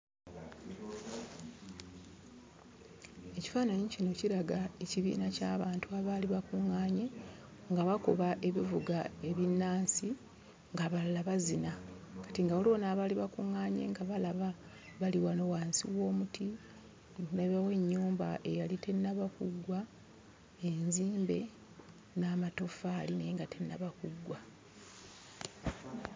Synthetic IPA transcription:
e̞ci̥faːnaɲicino̞ciɾaɡaeciβḭːnacaːβaːntuaβaːliβakuŋːaːɲe̞ | ŋɡaβakoβaʔe̞βivuɡae̞βinːaːnsi | ŋɡaβalaβazina | kḁtiŋɡaolo̞ːnaːβaliβakuŋːaːɲe̞̰ŋɡaβalaβa | βaliwano̞waːnsḭwo̞ːmutʰi | neβawe̞ɲːuːmba̰ʔe̞jalite̞nːaβakuɡːwa | enziːmbe̞ | naːmato̞faːlineŋɡatʰe̞nːaβakuɡwa

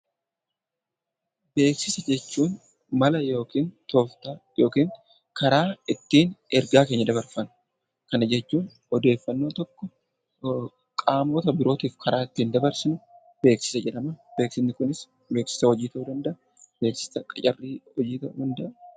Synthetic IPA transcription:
be̞ːksɪsɐd͡ʒɛt͡ʃːuːn | mɐlɐjo̞ːkiːnt̪oːft̪ajo̞ːkiːn | kɐɾaːɪt̪ːiːnɛɾɡaːke̞ːɲːɐd̪ɐβɐɾfɐn | kɐnɐd͡ʒɛt͡ʃːuːn | ɔd̪e̞ːfːɐnːo̞ːt̪ɔkːɔ | kʼaːmoːt̪ɐbɪɾo̞ːt̪iːfkʰɐɾaːɪt̪ːiːnd̪ɐbɐɾsɪnʊ | b̥e̞ːksɪ̥sɐd͡ʒɛᶑɐmɐbe̞ːksɪnnɪkʊnɪs | be̞ːksɪ̥sɐhɔd͡ʒiːt̪ɐwʊd̪ɐnd̪ɐʔɐ | b̥e̞ːksɪ̥sɐkʼɐ̥t͡ʃʼɐrːiːɔd͡ʒiːt̪ɐhʊnd̪ɐʔɐ

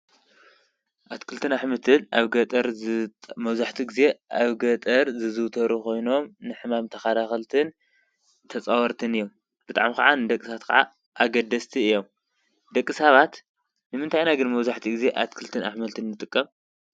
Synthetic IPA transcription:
ʔat̪kʰɨlt̪ʰɨnaħmɐt̪ʰɨna̰βɡɐt̪ʼɐɾ | mɐβzaħt̪ʰiɡize̞ʔaβɡɐt̪ʼɐɾzɨzɨwt̪ʰɐɾuko̞jno̞mnɨħɨmamt̪ʰɐxad̪axɐlt̪ʰɨn | t̪ʰɐt͡sʼawɐɾt̪ʰɨnɨjːom | b̥ɨt̪ʼa̰ʕmika̰ʕanɨd̪ɐkʼːɨsaat̪kʰa̰ʕa̰ | ʔaɡɐd̪ɐst̪ʰiɨjːo̞m | d̪ɐkʼːɨsaβat̪ | nɨmɨnt̪ʰajnaɡɨnmɐβzaħt̪ʰiɡize̞ʔa̰t̪kʰɨlt̪ʰɨna̰ħmɐlt̪ʰɨnːɨt̪ʼɨkʼːɐm

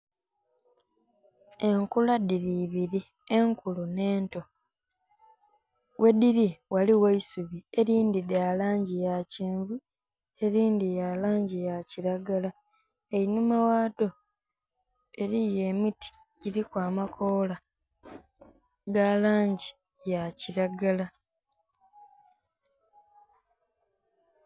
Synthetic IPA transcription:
e̞ŋkuladiɾiβiɾi | eŋkʰulune̞ːnto̞ | wʔe̞diɾiwaliwaisuβieɾiːndidjaːlaːɲɟijaciːɱvu | e̞ɾiːndijaːlaːɲɟijaciɾaɡala | einumawaːto | e̞ɾije̞ːmiti̥ | ɟiɾikwaːmakʰoːla | ɡalaːɲɟi | jaciɾaɡala

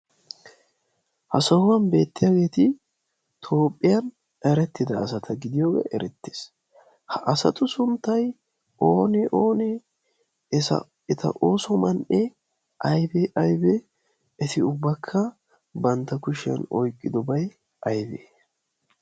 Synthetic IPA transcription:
hɐsɐhʊwɐnbe̞ːt̪ːɪjaːɡe̞ːt̪ɪ | t̪ʰo̞ːpʼːɪjɐn | ɛɾɛt̪ːɪd̪ɐːsɐt̪ʰɐɡɪd̪ɪjoːɡḛːʔɛɾɛt̪ːe̥ːs | hɐʔɐsɐ̰t̪ʊsʊnt̪ːɐj | ʔoːnɛʔoːnɛː | sɐ̰ | ɛt̪ʰɐ̰ʔo̞ːsɔmɐnʔɛ | ʔɐjbɛʔɐjbɛ | ɛt̪ɪʊbːɐkʰːɐ | bɐnt̪ːɐkʊʃɐ̰nɔjkʼːɪd̪ɔbɐj | ɐjbeː

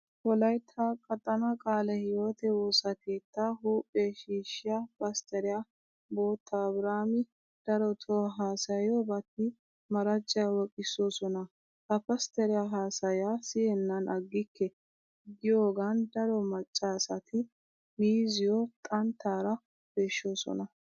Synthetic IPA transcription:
wɔlɐjt̪ʰːakʼɐt̪ʼːɐnɐkʼaːlɛhɪjo̞ːt̪ɛwoːsɐkʰe̞ːt̪ːaːɦuːpʼːeːʃiːʃːɪjapɐst̪ɛɾɪja | bo̞ːt̪ʰːɐːbɾaːmɪ | d̪̥ɐɾɔt̪ʰɔɦaːsɐjobɐt̪ːɪ | mɐɾɐt͡ʃʼːɐjwɔkʼɪsːo̞ːsɔnɐ | ʔɐpɐst̪ɛɾɪjaɦaːsɐjaːsɪhɛnːɐnʔɐɡːɪkːɛ | ɡɪjo̞ːɡand̪ɐɾɔmɐt͡ʃʼːaːsɐt̪ʰɪ | miːzɪjot̪ʼɐnt̪ʰːaːɾɐ | b̥eːʃːo̞ːsɔ̰nɐ

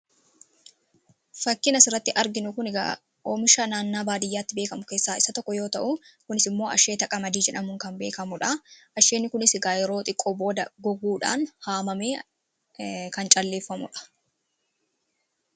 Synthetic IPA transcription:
fɐkːɪnɐsɪrːɐt̪ːɪʔɐɾɡɪnʊkʊnɡɐ̰ | ʔoːmɪʃɐnaːnːaːbaːd̪ɪjːaːt̪ːɪbeːkɐmʊke̞ːsːaːɪsɐt̪ɔkːɔjo̞ːt̪ɐʔʊkʊnɪsɪmːo̞ːʔɐʃe̞ːt̪ɐkʼɐmɐd̪iːd͡ʒɛᶑɐmʊŋkɐnbe̞ːkɐmʊᶑɐʔɐʃe̞ːnːɪkʊnɪsɡaːjɛɾo̞ːt̪ʼɪkʼːoɔbo̞ːd̪ɐɡɔɡuːᶑa̰ːnhaːmɐme̞ː | kɐnt͡ʃʼɐlːeːfːɐmʊ̰ᶑɐ̥

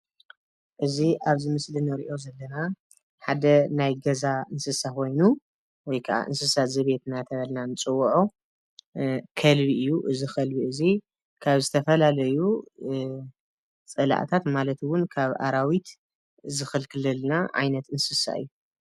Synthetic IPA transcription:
ʔɨziʔaβzɨmɨslinɐɾiʔo̞zɐlːɐna | ħad̪ɐnajɡɐzaʔɨnsɨsakʰo̞jnu | wɔjkʰɐʔa̰ʔɨ̰nsɨsazɨβe̞t̪nat̪ʰɐβɐlnanɨt͡sʼɨwːuʕo | kʰɐlbiʔɨjːuʔɨzixɐlbiʔɨzi | kʰaβzɨt̪ʰɐfɐlalɐju | t͡sʼɨla̰ʔt̪ʰat̪malɐt̪wʊnkʰaβʔa̰ɾawit̪ | zɨxɨlkʰɨlɨlnaʕa̰jnɐt̪ɨnsɨsa̰ɨ̰jːu

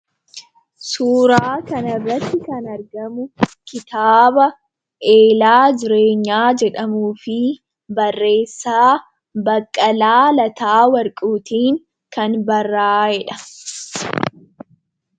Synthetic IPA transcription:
suːɾaːkɐnɐrːɐt̪ːɪkɐnɐɾɡɐmʊkɪt̪aːbɐ | ʔe̞ːlaːd͡ʒɪɾe̞ːɲːaːd͡ʒɛᶑɐmuːfɪ | bɐrːe̞ːsːaː | bɐkʼːɐlaːlɐt̪aːwɐɾkʼuːt̪iːŋ | kɐnbɐrːaːhɛᶑɐ̥

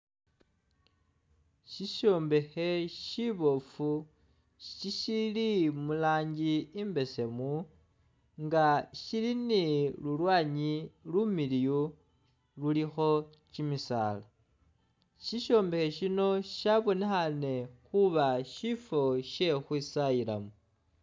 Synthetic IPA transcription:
ʃiʃo̞ːmbe̞xe̞ʃiβo̞fu | ʃiʃilimulaːɲɟiːmbe̞se̞mu | ŋɡaʃilinilulwaːɲilumiliju | lulixo̞ | t͡ʃimisa̰ːla | ʃiʃo̞ːmbe̞xe̞ʃino̞ʃaβo̞nexane̞xuβaʃifo̞ʃe̞xwisaila̰mu

